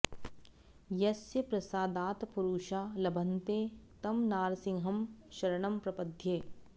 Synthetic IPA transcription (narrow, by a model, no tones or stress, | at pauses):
jɐsjɐpɾɐsaːd̪aːt̪puɾuːʃaːlɐbʱɐnt̪eːt̪ɐmnaːɾsɪ̃ŋɦɐmʃɐɾɐɳɐmpɾɐpɐd̪ʱjeː